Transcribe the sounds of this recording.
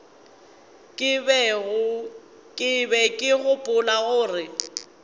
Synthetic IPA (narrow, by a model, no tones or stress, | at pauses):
kʼɪbɛɣʊ | kʼɪbɛkʼɪɣʊpʼʊlaɣʊːrɪ